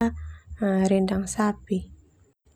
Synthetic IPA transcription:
ɾindaŋsapi

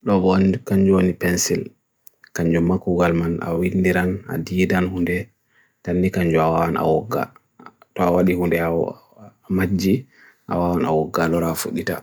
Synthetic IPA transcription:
ɗɔbɔkaɲd͡ʒuonipɛnsil | kaɲd͡ʒumakuɡalmana̰windiɾana̰diːdanhundɛ | tanːikaɲd͡ʒuawawanʔa̰wɔɡːa̰ | tɔawaɗihundɛ | mad͡ʒːi | ʔa̰wawana̰wɔɡːalɔɾafo̰ɗita̰

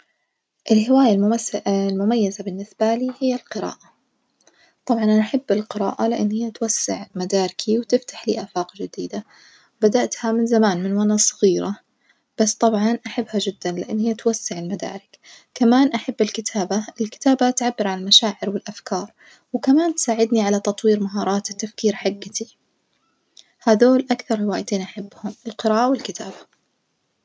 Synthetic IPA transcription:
ʔɪlɦɪwaːjalmlmʊmajːazabɪnːɪsbaliːhɪjːalqɨɾa̰ːʔa | t̪ˤɑbʕɑnʔanaħabːɪlqɨɾa̰ːʔalɪʔɪnːhɪjːat̪wasːɪ̰ʕmad̪aːɾɪkʰiwt̪ɪft̪ḁħlḭːʔaːfaːqd͡ʒɪd̪iːd̪a | bad̪aʔt̪hamɪnzamaːnmɪnwanasˤɑɣiːɾa | b̥ast̪ˤɑbʕɑnʔaħabːhad͡ʒɪd̪ːanlɪʔanːhɪjːat̪wasːaʕɪlmad̪a̰ːɾɪk | kamaːnʔaħabːɪlkɪt̪ʰaːbaɪlkɪ̥t̪aːbat̪ʕabːɪɾʕalalmaʃaːʕɪɾwɪlʔafkɑːɾˤ | wkamaːnt̪saːʕɪd̪niʕalat̪ɑt̪ˤwiːɾmaɦɑːɾˤɑːt̪ɪt̪ːafkiːɾħaɡːat̪ʰi | haːðoːlʔakθɑɾˤhɪwaːjt̪eːnʔaħabːhʊmɪlqɨɾaːʔawɪlkɪt̪aːba

